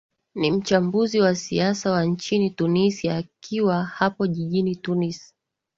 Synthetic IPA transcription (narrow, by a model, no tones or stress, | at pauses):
nim̩t͡ʃambuziwasiasawant͡ʃinitunisiaːkʰiwahapɔʄiʄinitunisi̥